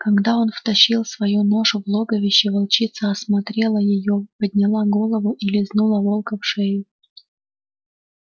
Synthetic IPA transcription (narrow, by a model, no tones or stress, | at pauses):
kɐɡd̪ao̞nft̪ɐɕːilˠsvɐjuno̞ʂʊvlˠo̞ɡəvʲɪɕːɪvɨlˠt͡ɕit̪səɐsmɐt̪ɾʲe̞lˠəjɪjopəd̪ʲnʲɪlˠaɡo̞lˠəvʊʔilʲɪznulˠəvo̞lˠkəfʂɛjʊ